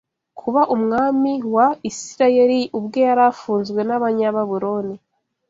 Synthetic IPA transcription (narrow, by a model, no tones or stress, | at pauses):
kʰuβaʔumŋaːmiwaisiɾaje̞ɾiʔubɡo̞jaɾafuːnzɡwe̞naβaɲaβaβuɾo̞ni